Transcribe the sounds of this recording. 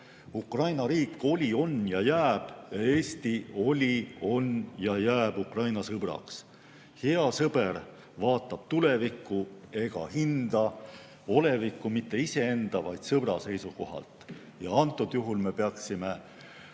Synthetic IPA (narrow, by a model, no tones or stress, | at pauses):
ukrɑjnɑɾiːkːˑo̞lʲio̞njɑjæːb̥jɑe̞ːst̪io̞lʲio̞njɑjæːb̥ukrɑjnɑsɤb̥rɑ̰ks | heɑsɤb̥e̞r | vɑːt̪ːˑɑb̥t̪ulevikːˑue̞ɡ̥ɑ̰hind̪̥ɑ | o̞le̞vikːˑumit̪ːe̞ise̞e̞nd̪̥ɑvɑjd̪̥sɤb̥rɑse̞jsuko̞ɦɑ̰lt̪ˑ | jɑɑnt̪ːˑud̪̥juɦulme̞pe̞ɑksime̞